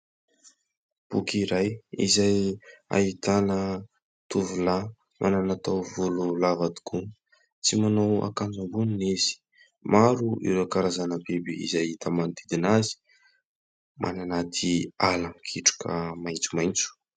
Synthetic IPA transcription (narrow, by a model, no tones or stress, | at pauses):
b̥ukʰiɾajḭzaja̰ɦit̪anə | t̪uvula | mʔa̰nanat̪awvululavad̪i̥kʰun | t͡simanowa̰kand͡zambuninezi̥ | maɾuḭɾokaɾazanəbebiḭzajit̪ʰamand̪id̪inazi̥ | mʔa̰nanat̪ʰialamkʰiʈ͡ʂḁkʰə̰majnt͡su̥majnt͡su̥